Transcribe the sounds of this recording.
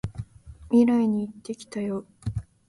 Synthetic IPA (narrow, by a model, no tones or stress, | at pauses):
mʲiɾaiɲ̟iːt̪ːe̞kʲi̥t̪ajoː